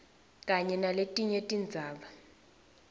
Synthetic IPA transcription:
k̬ʼaɲɛnaletʼiɲetʼind͡zʱaːɓa

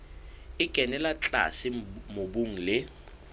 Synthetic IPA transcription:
ɪɡ̥ʱɛnɛlat͡ɬʼa̰sɪmobuŋ̩lɪ

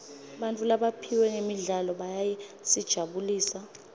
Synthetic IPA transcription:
ɓantʼulaɓapʰiwɛŋemiɮalɔɓajajɛsid̥ʒ̥ʱaɓuliːsa

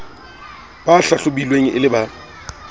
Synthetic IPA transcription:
baɬaɬʊbilweŋ̩ʔɪlɪba

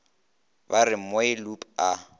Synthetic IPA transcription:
baɾɪmoɪlupʼa

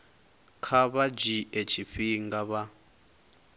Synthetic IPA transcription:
kʰaβad͡ʒiet͡ʃʰiɸiŋɡaβa

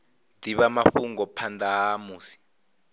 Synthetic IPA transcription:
d̥iβamafuŋɡɔpʰandaːmuːsi̥

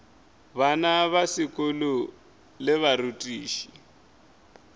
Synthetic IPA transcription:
βanaβasikʼulu | lɪβaɾutʼiːʃi̥

